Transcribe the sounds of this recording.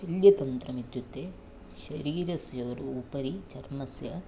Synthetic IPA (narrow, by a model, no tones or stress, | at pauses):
ɐljɐt̪ɐnt̪ɾɐmid̪jut̪ːe | ʃɐɾiːɾɐsjɐʋɾuːpɐɾit͡ʃɐɾmɐsjɐ